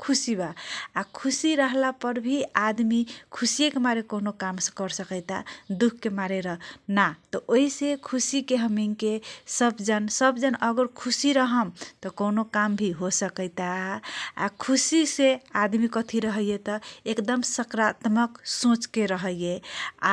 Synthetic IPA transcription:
kʰusibaːkʰusiɾəɦlapəɾbʱiad̪mikʰusijekemaɾekonokamsə̃kəɾsəkəɪt̪ad̪ukʰkːemaɾeɾəɦnat̪ɔʔoɦisekʰusikeɦəmiŋkesəbd͡ʒənsəbd͡ʒənəɡəɾkʰusiɾəɦəmt̪ɔkonokambʱiɦosəkəɪt̪aa̰kʰusisead̪mikət̪ʰiɾəɦəjet̪ɔekd̪əmsəkɾat̪məksõt͡ʃkeɾəɦəjea̰

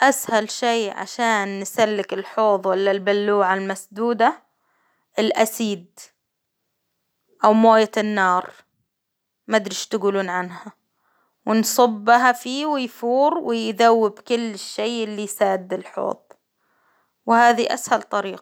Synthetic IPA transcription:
ʔashalʃejʕa̰ʃaːnːɪsalːɪkɪlħoːðˤwalːalbalːuːʕalmasd̪uːd̪a | ʔɪlʔasiːd̪ | ʔawmoːjaɪnːɑːɾˤ | mad̪ɾiʃt̪ɪɡuːluːnʕanha | wɪnsˤɑbːɦafiːwɪjfuːɾwɪjðawːɪbkɪlːɪʃːeːʔɪlːisaːd̪ɪlħo̰ːðˤ | wɪhaːðiʔa̰shalt̪ˤɑɾiːqɑ̥

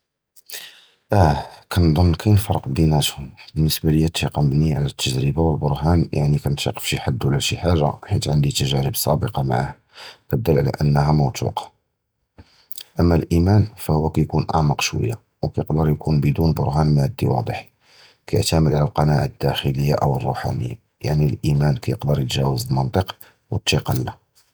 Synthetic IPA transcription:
ʔækʰænd̪ˤonːkʰæjnfɑɾˤqd̪inæt̪hʊmbənːəsbæləjːæt̪ːiqɑmbniʕalæt̪ʰːəʒɾəbawəlbʊɾˤɦænjʔa̰ʕnikænt̪iqə̥fʃiħad̪ːwlæʃiħaʒa̰ħit̪ʕənd̪it̪əʒæɾəbsˤɑbəqɑma̰ʕah | kæd̪ːəlːʕlæ̰ʔənːəɦæmɑwt̪ṵqɑ̥ | ʔəmːælʔimænfæhʊwːækæjkunʔɑ̰ʕmɑqʃwə̰jːa | wkæjəqd̪əɾˤjkunbəd̪unbʊɾɦænmæʕd̪ːiwɑ̰d̪ˤəħi̥ | kæj̰ʕt̪æməd̪ʕlælqɑnæʕad̪̥ːæxələjːaʔəwərˤːṵħa̰nə̰jːa̰ | ja̰ʕnilʔimænkæjəqd̪əɾjət̪ʒæwəzəlmənt̪ˤəq | wət̪ːiqɑlːæ

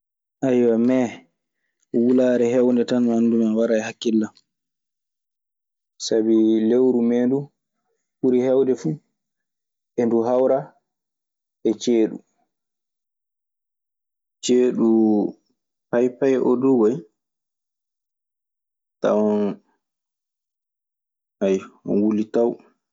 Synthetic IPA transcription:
ʔajwamɛ | wulaːɾɛɦɛwndɛtananːdumawaɾajhakːilːam | sabilewɾumɛːndu | fuɾihɛwndɛfu | ʔɛnduɦawɾa | ɛt͡ʃeːɗṵ | t͡ʃeːɗu | pajpajʔo̰duɡɔj | ta̰wɔn | ajɔwulitaw

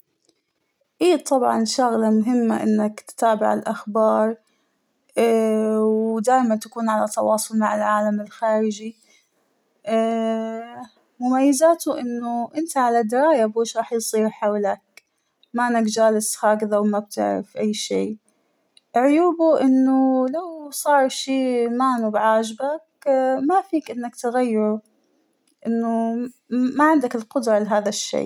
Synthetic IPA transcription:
ʔiːt̪ˤɑbʕɑ̰nʃʊɣlamʊɦɪmːa̰ʔɪ̰nːakt̪t̪aːbɪ̰ʕɪ̰lʔaxbɑːɾˤ | wd̪aːʔmant̪ḁkuːnʕalat̪ɑwɑːsˤʊlmaʕɪlʕaːlamɪlxaːɾɪd͡ʒi | ʔː | mʊmajːazaːt̪ʊʔɪnːʊʔɪnt̪aʕalad̪ɪɾˤɑːjabeːʃɾˤɑːħjsˤiːɾħawlak̚ | maʔanːakd͡ʒaːlɪsxaːɡɪðawmab̚t̪ɪ̰ʕɾɪ̰fʔajːʃḭː | ʕʊjuːbuʔɪnːʊlawsˤɑːɾˤʃiːmaːnubɪʕaːd͡ʒbakmafiːkʔɪnːakt̪ɪɣajːɪɾu | ʔɪnːʊ | maʕɪnd̪akɪlqʊd̪ɾˤɑlɪɦaːðaʃːḛː

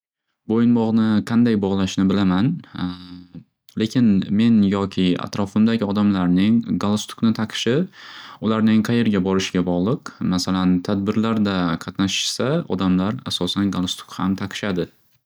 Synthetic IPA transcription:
bojɪnbɒʁnɪqʰɑnd̪ajbɒʁlˠaʃnɪbɪlaman | le̞kʲɪnme̞njɒkʲʰɪa̰t̪ɾɒfɪmd̪aɡʲɪɒd̪amlaɾnɪŋɡalˠast̪ʊ̥knɪt̪ʰaqʰɨ̥ʃɪʊlaɾnɪŋqʰɑje̞ɾɡʲabɒɾɪʃɪɡʲabɒʁlˠɨqmasalant̪ʰad̪̚bɪɾlaɾd̪aqʰɑt̪naʃɪ̥ʃsaɒ̰d̪amlaɾa̰sɒsanɡalˠast̪ʊ̥khamt̪ʰaqʰɨ̥ʃad̪ɪ

